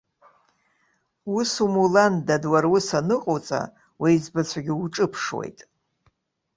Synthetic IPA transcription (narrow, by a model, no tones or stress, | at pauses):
usumulandadwarwʊsanɨqʼot͡sʼa̰ | wejizbat͡sʷʰaɡʲɪuʈ͡ʂʼɨpʰʂwḛjtʼ